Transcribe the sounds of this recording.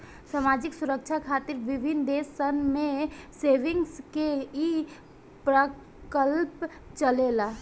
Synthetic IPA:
samaːd͡ʒɪksʊɾəkt͡ʃʰakʰaːt̪ɪɾʋɪbʱɪnd̪eːsənmẽseːʋɪ̃ŋɡskei | pɾə | kəlp | t͡ʃəlela

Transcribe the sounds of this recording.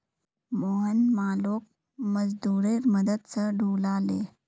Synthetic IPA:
moːɦənmaːloːk̚ | məd͡zd̪uːɾeɾməd̪əd̪t͡səɖʱuːlaːle

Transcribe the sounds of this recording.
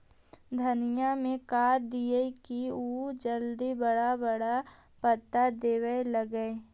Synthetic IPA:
d̪ʱɐnɪjamẽkaːɾd̪ijəkiuːd͡ʒəld̪ibɐɽabɐɽa | pət̪ːad̪eːwəeləɡəe

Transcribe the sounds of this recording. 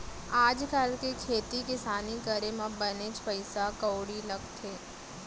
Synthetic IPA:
aːd͡ʒkaːlkekʰeːt̪ikɪsaːnikəɾemãbənet͡ʃpəɪsakəwɽilɐɡt̪ʰeː

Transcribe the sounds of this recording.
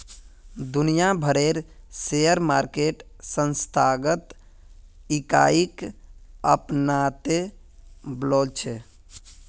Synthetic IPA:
d̪unijabʱəɾeɾsejəɾmaɾkeʈ | sə̃nst̪ʰaɡət̪ | ikaik | əpnat̪e | blɔlt͡ʃʰɛ

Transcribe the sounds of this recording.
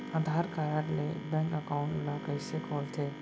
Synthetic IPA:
ad̪ʱaːɾkaɾaɾlebɛ̃ŋkəkaʊ̃ɳʈlakəɪsekʰɔːlt̪ʰe

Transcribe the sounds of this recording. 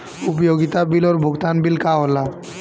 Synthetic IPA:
ʊpjoɡit̪abilɔɾbʱʊɡt̪anbilkaɦola

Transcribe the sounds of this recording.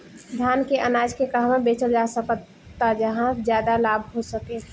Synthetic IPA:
d̪ʱjaːnkeʔənaːd͡ʒkekəɦmãbeːt͡ʃəld͡ʒaːsək | t̪ːad͡ʒəɦãzjaːd̪alaːbʱɦosəke

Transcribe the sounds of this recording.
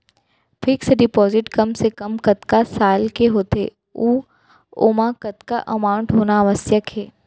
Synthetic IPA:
fʰɪksɖɪpɔːzɪʈkɐmsekɐmkɐt̪kasaːlkeɦoːt̪ḛː | uː | o̰ːmakɐt̪kaʔɐmaːʊ̃ɳʈɦoːnaːʋəsjəkɦɛː

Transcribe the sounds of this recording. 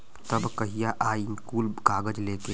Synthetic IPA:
t̪ɐbkɐɦijaʔaːinkuːlɡaːɡəd͡ʒleːke

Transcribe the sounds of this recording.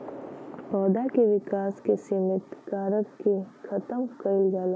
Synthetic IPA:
pɔːd̪akeʋɪkaːskesɪmɪt̪kaːɾət̪kekʰɐt̪əmkəɪlɡaːla

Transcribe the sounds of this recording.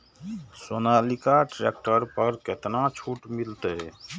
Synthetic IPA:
sonalikaʈɾek̚ʈəɾpəɾket̪nat͡ʃʰuʈmilt̪e

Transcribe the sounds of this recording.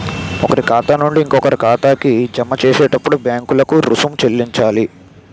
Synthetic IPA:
ɔkɐɾikaːt̪aːnuɳɖiːŋkɔkɐɾikaːt̪aːkid͡ʒɐmɐt͡ʃɛːsɛːʈɐpːuɽubjaːŋkulɐkuɾusumt͡ʃelːiɲt͡ʃaːli

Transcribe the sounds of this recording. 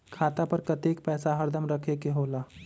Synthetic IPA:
kʰat̪apəɾkət̪ekpɛsaɦəɾd̪ʱəmɾəkʰekeɦola

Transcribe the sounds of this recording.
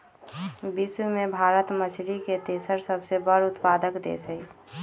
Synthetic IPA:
bismebʱaːɾət̪mət͡ʃʰliket̪esəɾsəbsebəɾʊt̪paːd̪əkd̪ḛsəi

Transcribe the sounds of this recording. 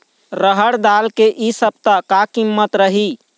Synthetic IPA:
ɾəɦəɽd̪alkeʔisəb̚t̪akakimːət̪ɾəɦi

